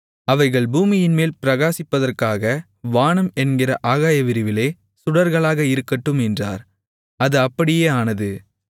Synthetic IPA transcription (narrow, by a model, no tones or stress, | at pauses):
ɐʋɐɪɣɐɭbuːmɪjɪnmeːlpɪɾɐɣaːsɪpːɐðɐrkaːɣɐ | ʋaːɳɐmɛnɡɪrɐ̰ʔaːɣaːjɐʋɪɾɯʋɪleː | sʊɽɐɾɣɐɭaːɣɐɪɾɯkːɐʈːɯmɛndra̰ːɾ | ɐðɯɐpːɐɽɪjeːaːnɐðɯ